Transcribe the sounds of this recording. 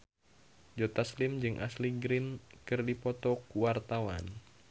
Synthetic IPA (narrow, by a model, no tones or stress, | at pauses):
d͡ʒɔt̪aslɪmd͡ʒɨŋʔa̰sliɡɾɪnkɨrdipɔt̪ɔkuwart̪awan